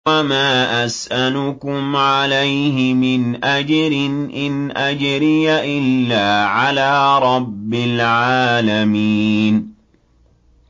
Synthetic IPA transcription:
amaːʔasʔalʊkʊmʕalajɦɪmɪnʔad͡ʒɾɪnʔɪnʔad͡ʒɾɪjaʔɪlːaːʕalaːɾˤɑbːɪlʕaːlamiːn

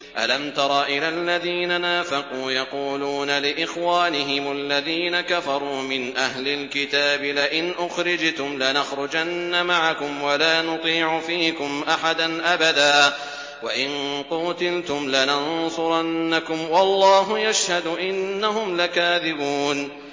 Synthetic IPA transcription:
ʔa̰lamt̪ɑɾˤɑːʔɪlalːaðiːnanaːfɪquːjɑquːluːnalɪʔɪxwaːnɪɦɪmʊalːaðiːnakafɑɾˤuːmɪnʔaɦlɪlkɪt̪aːbɪlɪʔɪnʔʊxɾɪd͡ʒt̪ʊmlɪnaxɾʊd͡ʒanːamaʕakʊmwalaːnʊt̪ˤiːʕʊfiːkʊmʔaħad̪anʔabad̪aː | waʔɪnquːt̪ɪlt̪ʊmlɪnansˤʊɾˤɑnːakʊmwɑlˤːɑːɦʊjaʃhad̪ʊʔɪnːaɦʊmlakaːðɪbuːn

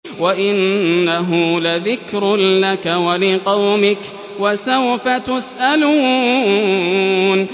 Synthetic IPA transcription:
waʔɪnːaɦʊlaðɪkɾlakawalɪqɑwmɪk | wasawfat̪ʊsʔaluː | n

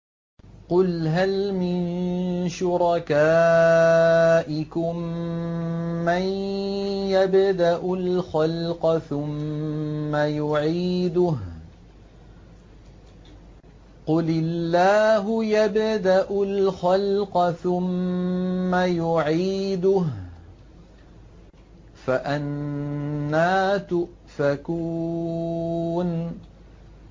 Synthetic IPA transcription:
qʊlɦalmɪnʃʊɾˤɑkaː | ʔɪkʊm | an | jabd̪aʔʊlxalqɑθʊmː | ajʊʕiːd̪ʊh | qʊlɪlːaːɦʊjabd̪aʔʊlxalqɑθʊmː | ajʊʕiːd̪ʊh | faʔanː | aːt̪ʊʔ | fakuː | n

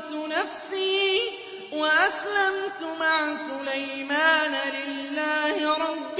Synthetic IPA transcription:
t̪ʊnafsiː | waʔaslamt̪ʊmaʕsʊlajmaːnalɪlːaːhɪɾˤɑbː

